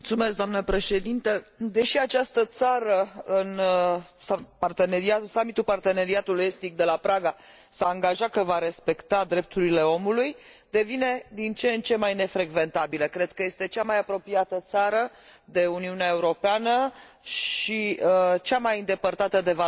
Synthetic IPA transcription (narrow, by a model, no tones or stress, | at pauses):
mt̪sume̞sk̚d̪oamnəpɾe̞ʃe̞d̪int̪əd̪e̞ʃiat͡ʃast̪ət̪saɾəɨnsapart̪e̞neɾiat̪samit̪upart̪e̞ne̞ɾiat̪uluje̞st̪ik̚d̪e̞lapɾaɡa | saːŋɡaʒakəvaɾe̞spe̞kt̪ad̪ɾe̞p̚t̪uɾile̞o̞mulujd̪e̞vine̞d̪int͡ʃent͡ʃe̞majne̞fɾe̞ɡve̞nt̪abiləkɾe̞d̪̚kəje̞st̪e̞t͡ʃamajapɾo̞piat̪ət̪saɾə | d̪e̞uniuneaeuɾo̞peanə | ʃiət͡ʃamajind̪e̞pərt̪at̪əd̪e̞va